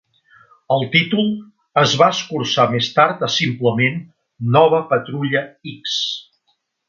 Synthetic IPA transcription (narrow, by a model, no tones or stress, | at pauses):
əlˠt̪it̪ulˠ | əzβaəskuɾsamest̪aɾt̪əsimpləmenː | ɔβ̞əpət̪ɾuʎəiks